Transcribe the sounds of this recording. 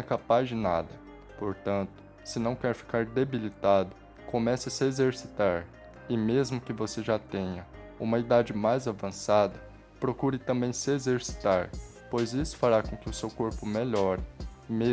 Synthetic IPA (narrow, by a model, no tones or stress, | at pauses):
ɛkapazd͡ʒɪnad̪ɐ | poɾt̪ɐ̃nt̪ʊ̥ | sɪnɐ̃w̃kɛɾfi̥kaɾd̪ebilit̪ad̪ʊ | kõmɛsɐsɪezeɾsi̥t̪aɾ | ɪmezmʊkɪvoseʒat̪ẽɲɐũmɐid̪ad͡ʒɪmajzavɐ̃sad̪ɐ | pɾokuɾɪt̪ɐ̃mbẽj̃sɪezeɾsi̥t̪aɾ | pojzisʊ̥faɾakõkɪʊsewkoɾpʊmeʎɔɾɪme